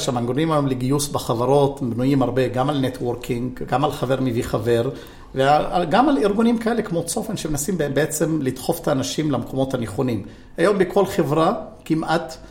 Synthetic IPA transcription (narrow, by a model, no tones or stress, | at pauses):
ʃamaŋɡɾonimhajomleɡiusbeχavaʁo̞tbnujimaʁbe̞ɡamalnet̪woʁkʰiŋɡɡamalχave̞ʁmiviχave̞ʁ | veaaɡamaliʁɡunimkae̞le̞kmo̞t͡so̞fenʃemenasimbebeet͡se̞mlid̪χo̞fe̥t̪aːnaʃimlamekʰo̞mo̞t̪haneχonim | hajo̞mbekʰo̞lχe̞vʁakimʔat̪